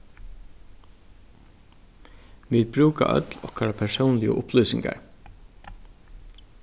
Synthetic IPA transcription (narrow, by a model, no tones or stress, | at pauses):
ʋiːd̪̚bɾʉːka̰ʔœ̰t̪lɔhkaɾapʰɛʂəʊnlɪə̰ʔʊplʉːsɪŋɡa̰ɹ